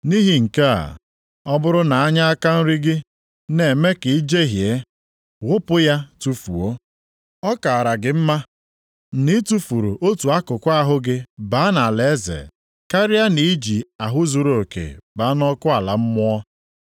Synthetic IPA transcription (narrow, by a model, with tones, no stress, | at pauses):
ni˦ɦi˨ŋ̩˨ka˦a̰˨ | ɔ˦bʊ˦ɾʊ˦na˨a˦ɲa˦a˦ka˦n̩˦ɾi˦ɡɪ˦ | ne˨me˦ki˨i˦d͡ʒe˦ɦje˦ | ɣʊ˦pʊ˦ja˦tu˦fṵ˨o˦ | ɔ˦ka˨a˨ɾa˨ɡɪ˨m̩˦ma˦ | ni˦tu˦fu˨ɾṵ˨ʔo˦tu˨a˦kʊ˨kʷa˦a˦˨ɦʊ˦ɡɪ˦ba˨˦na˨le˨˦zḛ˨ | ka˦ɾɪ˦a˦ni˨˦i˦d͡ʒi˨a˨ɦʊ˦zu˨ɾo˨kḛ˨ba˨˦nɔ˦kʊ˦a˨la̰˨m̩˦mʊ˦ɔ˦